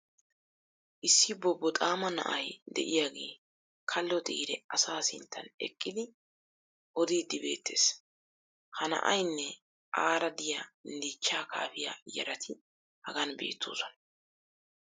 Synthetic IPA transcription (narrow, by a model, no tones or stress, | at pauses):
ʔɪsːɪbɔbːɔt̪ʼaːmɐnɐ̰ʔɐjd̪ɛ̰ʔɪjaːɡe̞ː | kʰɐlːɔt̪ʼḭːɾɛɐsaːsɪnt̪ʰːɐnɛ̰kʼːɪd̪ɪ | ʔɔd̪iːd̪ːɪbe̞ːt̪ʰːe̞̰ːs | hɐnɐ̰ʔɐjnːɛ | ʔaːɾɐd̪ɪjand̪iːt͡ʃːaːkʰa̰ːfɪja̰jɐ̰ɾɐt̪ʰɪ | hɐɡɐnbe̞̰ːt̪ʰːo̰ːsɔnɐ